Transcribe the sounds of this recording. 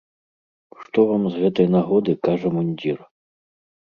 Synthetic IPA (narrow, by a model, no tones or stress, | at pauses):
ʂt̪ɔvamzɣɛt̪ɐjnaɣɔd̪ɨkaʐɐmunʲdʲir